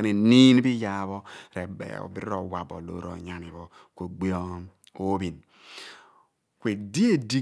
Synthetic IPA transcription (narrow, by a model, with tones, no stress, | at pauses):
ne˨ni˦n˦bi˦ja˨βɔ˦ɾe˨bḛ˨o̰˨bi˦ɾɾo˦˨wa˨bo̰˨lo̰˨˦ɾo̰˨ɲa˨ni˨βo˨ | ko˨ɡ͡bi˦o˦ | o˦bi˨n | kwe˨di˦e˦˨di˦